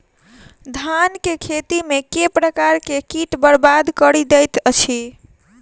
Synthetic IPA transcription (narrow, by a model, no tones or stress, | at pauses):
d̪ʱankekʰet̪imekepɾəkaɾkekiʈbəɾbad̪kəɾid̪ɛjt̪ət͡ʃʰi